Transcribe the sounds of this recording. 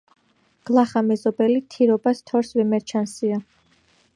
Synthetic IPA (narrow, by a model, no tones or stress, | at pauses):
ɡ̥lˠaχamɛzɔbɛlit̪ʰiɾɔbast̪ʰɔɾsvɛmɛɾt͡ʃʰansia